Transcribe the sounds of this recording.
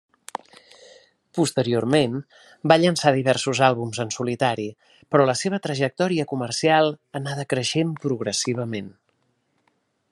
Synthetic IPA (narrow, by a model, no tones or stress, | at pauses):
pust̪əɾiormen | baʎənsaðiβɛrsuzalˠβumzənsulit̪aɾi | pɾɔləseβ̞ət̪ɾəʒək̚t̪ɔɾiəkumərsialˠənaðəkɾəʃempɾuɣ̞ɾəsiβ̞əmen